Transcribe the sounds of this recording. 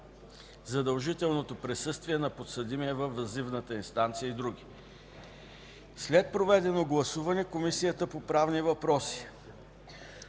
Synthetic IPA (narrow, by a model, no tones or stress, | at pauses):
zɐd̪ɐlˠʒit̪ɛlˠnot̪opɾɛsɤst̪viɛnɐpot̪səd̪imiɛvɐfɐzivnət̪əinst̪ant̪sijəid̪ɾuɡʲi | slɛt̪̚pɾovɛd̪ɛnoɡlˠɐsuvɐnɛkomisijət̪əpopɾavnivɐpɾɔsi̥